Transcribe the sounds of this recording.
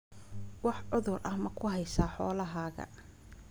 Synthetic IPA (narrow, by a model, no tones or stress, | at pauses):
wɑħʕʊðʊrʔɐhmɐkʰʊɦɛjsaːħɔ̰ːlɐɦaːɣɐ̰